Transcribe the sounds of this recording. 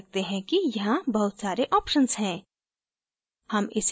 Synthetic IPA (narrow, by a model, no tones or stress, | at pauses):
k̚t̪eɦɛ̃kijɐɦãbɐɦʊt̪saːɾeʔɔːpʃənzɦɛ̃ː | hɐmɪs